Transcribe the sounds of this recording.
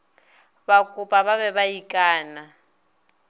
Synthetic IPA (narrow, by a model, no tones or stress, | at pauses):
bakʼʊpʼaβaβɛβaikʼaːna